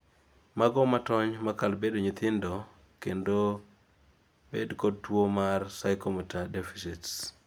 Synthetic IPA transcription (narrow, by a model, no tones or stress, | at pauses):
maɡɔmatɔɲmakalbedoɲit̪ɪndɔ | kendo | bedkɔd̚twomarsajkɔmɛtadefisits